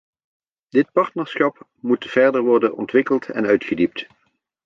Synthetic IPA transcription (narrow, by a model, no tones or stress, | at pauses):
d̥ɪt̚pɑɹtnəɹsχɑp | mutv̥ɛɹdəɹʋɔɹdənɔ̰ntʋɪkəlˠtʰɛ̰nœɥtχədip̚t